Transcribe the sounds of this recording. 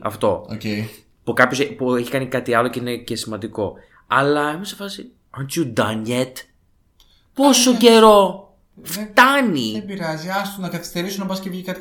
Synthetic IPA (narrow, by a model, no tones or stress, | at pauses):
ɐ̰ft̪o̞oce | pukɐpçosepueçi̥kɐnikɐt̪iɐlo̞ceine̞ce̞simɐnd̪iko̞ | ɐ̰lɐexũsefɐsi | ɐnt̪jud̪ɐnʝet̪ | po̞so̞ɟe̞ɾo̞ | ft̪ɐniebiɾɐziɐst̪unɐkɐθi̥st̪e̞ɾisunɐbɐscevʝikɐt̪i